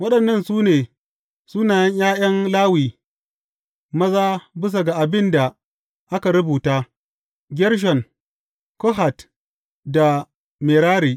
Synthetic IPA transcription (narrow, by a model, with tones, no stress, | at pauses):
wɐ˦ɗɐ˨nːɐ˦˨nsuː˦neː˨ | suː˦naː˨jɐ˦ɲjaː˦j̰ɐ˦nlaː˦wiː˨ | mɐ˦zaː˦bɪ˦s̬a˨ɡa˨ʔa˨bɪ˦nda˨ | ʔa˦ka˨ɾʊ˦buː˨taː˦ | ɡʲɛ˦ɾʃ̬ɔ˨ŋ | ko˦ɦa˨t | da˨ | meː˨ɾaː˦ɾiː˨